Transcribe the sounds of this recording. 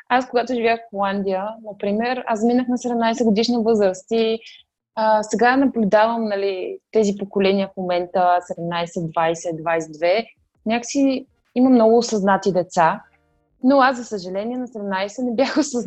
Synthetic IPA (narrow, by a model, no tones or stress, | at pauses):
askoɡat̪ʊʒivʲjaxfxolˠand̪ijənɐpɾimɛɾasminəxnɐsɛd̪ɛmnajsɛɡod̪iʃnivɤzɾəst̪i | əsɛɡanɐblʲud̪avəmnɐlit̪ɛzipokolɛniəfmomɛnt̪əsɛd̪ɛmnajsɛd̪vajsɛd̪vajsɛd̪vɛ | nʲakə̥si | imɐmnɔɡʊːsɐznat̪id̪ɛt̪sa | noaszɐsəʒɐlɛniɛnɐsɛd̪ɛmnajsɛnɛbjaxosə